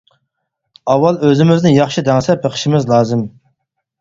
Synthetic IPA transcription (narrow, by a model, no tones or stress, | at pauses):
ɑwːɑlˠøzɪmɪznɪjɑχʃid̪ɛŋsɛpʰəqʰə̥ʃɪmɪzlˠɑːzɨm